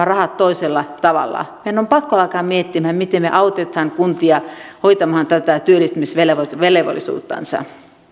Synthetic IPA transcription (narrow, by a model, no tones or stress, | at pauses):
ɑrɑhɑt̪toiselːɑt̪ɑʋɑ̰lːɑ̰mienːompɑkːoɑˑikɑːmmiet̪ːimhæmit̪emmḛʔɑut̪et̪hɑŋkunt̪iɑhoit̪ɑmhɑnt̪æt̪æt̪yølːˑist̪ymisʋeleʋoʋeleʋo̰lisṵːt̪ːɑ̰nsɑ̰